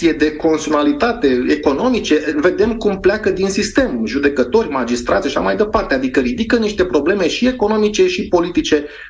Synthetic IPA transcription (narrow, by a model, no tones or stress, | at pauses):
ie̞d̪e̞ko̞nt̪sionalit̪at̪e̞eko̞no̞mit͡ʃe̞ɨnve̞d̪e̞mkumpleakəd̪insist̪e̞muʒud̪e̞kət̪o̞rʲmad͡ʒist̪ɾʔat̪sʲaʃamajd̪e̞part̪ead̪ikəɾid̪ikəniʃt̪e̞pɾo̞ble̞me̞ʃie̞ko̞nomit͡ʃe̞ʃipo̞lit̪it͡ʃe̞